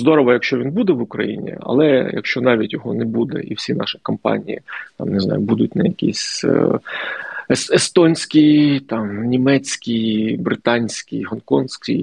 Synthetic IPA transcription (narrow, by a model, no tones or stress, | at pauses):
zd̪ɔɾɔʋɔjɐkʃt͡ʃɔʋʲinbud̪ɛʋʊkɾɐ̰jḭnʲḭɐ̰lˠɛjɐ̰kʃt͡ʃɔnɑʋʲitʲjɔɦɔnɛbud̪ɛ̰ʔiwsʲinɑ̰ʃɪ̥kɐmpɑ̰nʲḭjḭt̪ɑmnɪznɑ̰jʊbud̪ʊt̚ʲnɐjɐkʲḭsʲ | sest̪ɔnʲsʲkʲijt̪ɑmnʲimɛt͡sʲkʲijbɾɪt̪ɑnʲsʲkʲijɦɔnkɔnsʲkʲḭj